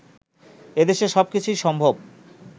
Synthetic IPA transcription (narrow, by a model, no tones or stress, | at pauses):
ed̪eʃeʃɔbkit͡ɕʰujʃɔmbʱob